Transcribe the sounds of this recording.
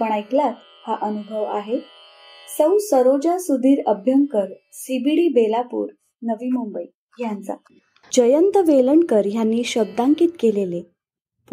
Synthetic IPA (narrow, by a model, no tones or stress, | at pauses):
pəɳ̃ajklat̪ | haʔənubʱəʋaɦe | səwsəɾod͡ʑasud̪ʱiːɾəbʱjəŋkəɾ | sibiɽiːbelapṵːɾ | nəʋiːmumbəi | jant͡sa̰ | d͡ʑəjənt̪əʋeləɳkəɾjanːiːɕəb̚d̪ãŋkiːt̪kelele